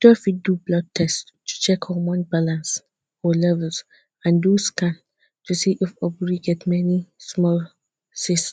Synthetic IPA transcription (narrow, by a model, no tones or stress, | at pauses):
d̥ɔfidublɔd̚tʰɛs | tːu̥t͡ʃɛkɔmɔ̃nbalãns | ɔlɛvəls | ãnduskãn | tʰusiʔifɔbɹiɡɛtmɛnismɔl | sis